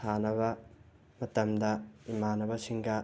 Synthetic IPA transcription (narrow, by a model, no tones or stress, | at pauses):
anɐβɐ | mɐtɐmdɐimanɐbɐsiŋɡɐ